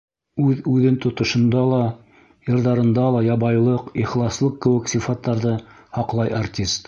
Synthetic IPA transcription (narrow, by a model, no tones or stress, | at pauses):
ʉðʉðɘnt̪ŏt̪ŏʃɤ̆nd̪ɑlˠɑ | jɤ̆ɾðɑɾɤ̆nd̪ɑlˠɑjɑβɑjlˠɤqiχlˠɑslˠɤqkɘ̆wɘ̆ksʲifat̪ːɑɾðɤ | hɑqlˠɑjʔartʲist̪